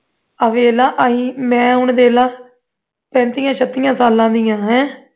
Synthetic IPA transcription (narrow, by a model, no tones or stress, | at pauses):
əʋeːlãːʔəɦiːmɛ̃ːɦʊɳd̪eːlãː | pɛ̃ːnt̪iːjãːʃʰət̪ːijãːsaːlãːd̪ijãːɦɛ̃ː